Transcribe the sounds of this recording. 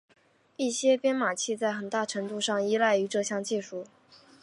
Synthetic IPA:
i˥˩ɕjɛ˥pjɛ˥nma˨˩t͡ɕʰi˥˧t͡sa˥˩ɪxə˨˩nt̪a˥˩ʈ͡ʂʰɤ˧˥ŋt̪u˥˧ʂɑ˥˩ŋi˥la˥˩ɪy˧˥ʈ͡ʂɤ˥˧ɕjɑ˥˧ŋt͡ɕi˥˧ʂu˥˩

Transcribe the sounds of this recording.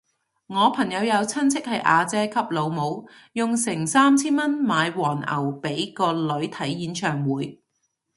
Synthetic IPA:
ŋɔː˨˧pʰɐ˨˩ŋjɐ˨˧wjɐ˨˧wt͡sʰɐ˥nt͡sʰɪ˥k̚hɐ˨jʔa̰ː˧t͡sɛː˥kʰɐ˥p̚lo˨˧wmo˨˧w | jʊ˨ŋsɪ˨˩ŋsaː˥mt͡sʰiː˥nmɐ˥nmaː˨˧jwɔː˨˩nɐ̰˨˩wpe˨˥jkɔː˧lɵ˨˥ɥt̪ʰɐ˨˥jːiː˨˥nt͡ʃʰœː˨˩ŋwuː˨˧˥j

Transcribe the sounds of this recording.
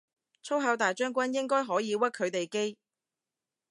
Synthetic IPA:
t͡sʰo˥wɦɐ˨˧˥wt̪aː˨jt͡ʃœː˥ŋkʷɐ˥njɪ˥ŋkɔː˥jɦɔː˨˥jiː˨˧wɐ˥t̚kʰːɵ˨˧ɥt̪e˨jke˥j

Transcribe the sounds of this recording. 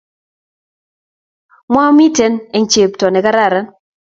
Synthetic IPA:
mwa˦mi˦te˦ne˨ŋ˦t͡ʃe˨ptɔ˨nɛ˨ka˦ɾa˦˨ɾa˨˦n

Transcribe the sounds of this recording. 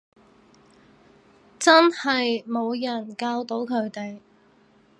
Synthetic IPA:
t͡sɐ˥nhɐ˨jmo˨˧wjɐ˨˩nkaː˧wt̪o˨˥wkʰɵ˨˧ɥt̪e˨j

